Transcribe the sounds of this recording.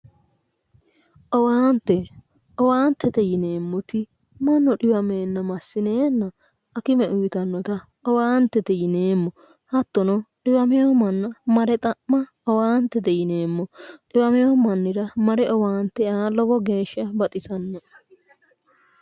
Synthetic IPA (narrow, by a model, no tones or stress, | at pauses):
ʔɔwaːnt̪ːɛ | ʔɔwaːnt̪ɛt̪ɛjɪne̞ːmːɔt̪ɪ | mɐnːɔᶑɪwɐmeːnːɐmɐsːɪneːnːɐː | kɪmɛʔʊjɪt̪ɐnːɔt̪ɐ | ɔwaːnt̪ːɛt̪ɛjɪneːmːɔ | hɐt̪ːɔnɔɗɪwɐmɛjomɐnːɐmɐɾɛt̪ʼɐʔmɐ | ɔwaːnt̪ːɛt̪ɛjɪne̞ːmːɔɗɪwɐmɪjoːmɐnːɪɾɐmɐɾɛʔɔwaːnt̪ːɛaːlːɔbɔɡe̞ːʃːɐbɐt̪ʼɪsɐnːɔ